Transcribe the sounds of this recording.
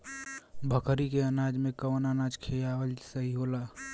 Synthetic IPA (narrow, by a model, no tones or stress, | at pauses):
bʱəkʰɾikeənaːd͡ʒmẽkəʋənanaːd͡ʒkʰejawəlsəɦiɦoːlaː